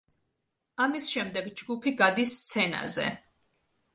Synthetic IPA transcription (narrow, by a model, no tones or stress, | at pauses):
amisʃɛmd̪ɛɡd͡ʒɡupʰiɡad̪ist̪sʰɛna̰zɛ̰